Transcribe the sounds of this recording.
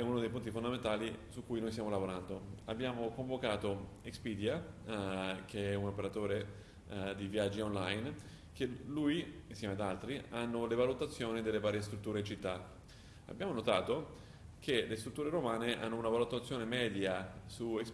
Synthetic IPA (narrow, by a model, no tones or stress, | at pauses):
ɛunod̪ejpunt̪ifond̪ament̪aːlisukːujnojst̪jaːmolavoɾand̪oabːjaːmokoɱvokaːt̪oekspid̪ja | kʰeɛunopeɾat̪oːɾe | d̪ivjad͡ʒːionlajn | k̟elujinsjɛːmead̪alt̪ɾianːolevalut̪at̪sːjoːnid̪elːevaːɾjest̪ɾut̪ːuːɾeint͡ʃit̪ːa | a̰bːjaːmonot̪aːt̪o | kʰelest̪ɾut̪ːuːɾeɾomaːneʔa̰nːounavalut̪at̪sːjoːnemɛːd̪jasueks